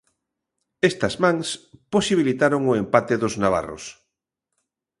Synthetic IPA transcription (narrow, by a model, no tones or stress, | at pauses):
est̪ɐzmãŋsposiβilit̪aɾoŋʊempat̪eðʊznaβ̞a̰ro̰s